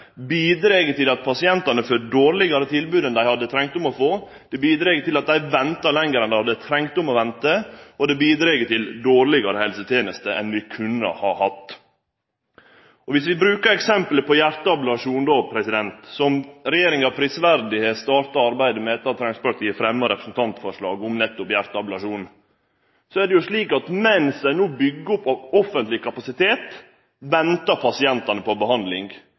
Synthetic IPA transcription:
biːd̪ɾeːɡət̪ɪlɑt̪̚pʰɑsɪɛnt̪ɑnəfœɖoːɾlɪɡɑɾət̪ʰɪlbʉːd̪ɛnd̪æɪhɑd̪ːət̪ʰɾɛŋkt̪ʊmɔfoː | d̪̥ɛbiːd̪ɾeːɡət̪ɪlɑt̪̚d̪æɪʋɛnt̪ɑlɛŋːəɾɛnd̪æɪhɑd̪ət̪ʰɾɛŋt̪ʊmɔʋɛnt̪əɔd̪ɛbiːd̪ɾeːɡət̪ɪld̪oːɾlɪɡɑɾəhɛlsət̪ʰeːnəst̪əʔɛ̰nʋɪkʰʉnːə̰hɑ̰hɑt̪ː | ɔʋɪsʋɪbɾʉːkəɾɛksɛmpləpʰɔjæɾt̪əɑpləʋɑʂuːnd̪opʰɾɛsɪd̪ɛnt̪sɔmɾɛjeːɾɪŋɑʋpʰɾisʋæɾd̪ɪheːt̪st̪ɑːɾʈ̪ɑɑɾbæɪd̪əmɛɛt̪ːɑt̪ʰɾɑŋspɑɾt̪jiːfɾɛmːəɾɛpɾəsn̩t̪ʰɑnt̪fɔʂɭɑːɡʊmnɛt̪ːʊpjæɾt̪əɑblɑʂuːn | sɔæɖɛjʊʂɭiːkɑt̪mɛnsd̪æɪnuːbʏɡːəʊpːɔfːənt̪lɪkʰɑpɑsɪt̪ʰeːt̪ | ʋɛnt̪ɑpʰɑsɪɛnt̪ɑnəpʰɔbəhɑnd̪lɪŋɡ

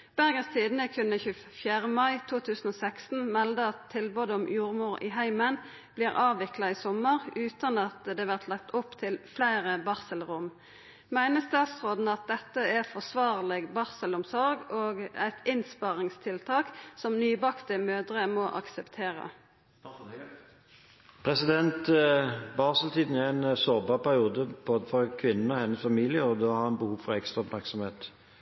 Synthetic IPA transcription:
b̥æʁɡənst̪ʰiːd̪n̩əkʰʉnːəçʉː | fjæːʁəmɑɪt̪ʰuːt̪ʰʉːsn̩oːsækst̪n̩mɛld̪əɑt̪ʰːɪlboːd̪əɔmjuːʁmuːʁɪ̰ɦæɪmən | b̥liːʁɑːʋʋɪklɑisɔməʁʉːt̪ɑnɑt̪d̪eːʋæʁt̪ʰlɑkt̪ʊpt̪ʰɪlflæɪʁəbɑʁsəlʁʊm | mæɪnəst̪ɑːt̪sʁoːd̪n̩ɑt̪̚d̪ɛt̪ːəæʁfɔʁsʋɑːʁlɪɡbɑʁsəlʊmsɔʁɡoːɡæ̰ɪt̪ʰɪnspɑʁɪŋst̪ʰɪlt̪ʰɑːksɔmnyːbɑkt̪əmøːd̪ʁəmɔʔɑksəpt̪ʰeːʁə̰ | pʰɾɛsɪd̪ɛnt̪bɑːʁsəlt̪ʰiːd̪n̩ɛɛnsoːbɑʁpʰæʁɪuːd̪əboːd̪əfɔʁkʰʋɪnːən̩ɔhɛnːəsfɑmiːlɪəɔd̪ohɑʁhɑnbəhuːʋfɔʁɛkst̪ʁɑɔpmæʁksɔmheːt̪

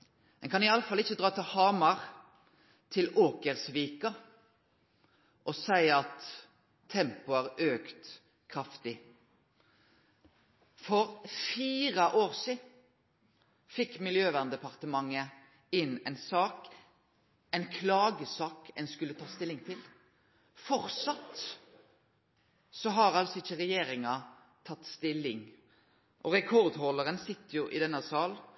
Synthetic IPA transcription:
ɛ̰nkʰɑnɪɑləfɑlːɪçːəd̪ʁɑːt̪ʰɪlhɑːmɑʁ | t̪ʰɪloːkəʁsʋiːkɑ | ʔɔsæɪɑt̪ʰː | ɛmpʊæʁøːkt̪ | kʰʁɑft̪ɪ | fɔɾfiːʁəʔoːʁsiːd̪ | fɪkːmɪljøːʋæʁnd̪ɛpɑʁt̪əmɑŋːə | ɪnɛɪnsɑːk | ɛnkʰlɑːɡəsɑːkɛ̰nskʉlːət̪ʰɑːst̪ɪlːɪŋt̪ʰɪl | fɔʁt̪sɑt̪ | sɔɦɑʁɑlsɔɪçːəʁɛjeːɾɪŋɑ | t̪ʰɑt̪ːst̪ɪlːɪŋ | ʔɔʁɛkʰɔʁd̪hɔlːəɾənsɪt̪ːəjʊʔɪd̪ɛnːəsɑːl

